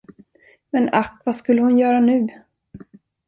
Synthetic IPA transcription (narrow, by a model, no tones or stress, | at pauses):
mɛnakːvaskɵlːəhʊnjœːɾanʉ̟ː